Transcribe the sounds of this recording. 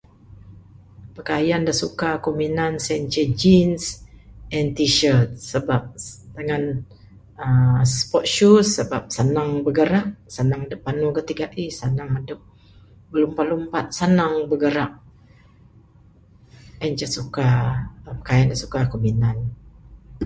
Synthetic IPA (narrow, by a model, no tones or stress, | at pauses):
pəkajandahsukakominansɛnt͡ʃəd͡ʒinsɛnt̪iʃərt̪̚səbap̚d̪əŋan | əspɔt̪̚ʃusːəbap̚sənaŋbəɡəɾaʔsənaŋdəpanukət̪iɡaʔisanaŋadəp̚ | bəlumpalumpat̪̚sənaŋbəɡəɾaʔ̚ | ɛɲt͡ʃəsukapə̥kajandasu̥kakominan